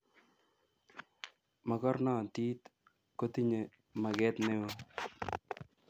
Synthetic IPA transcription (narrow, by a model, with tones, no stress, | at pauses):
ma˨kɔ˦ɾnɔː˦˨t̪iː˦t̪ | ko˦t̪i˦ɲe˨ | ma˨ɡɛ˦t̪nɛ˦o˦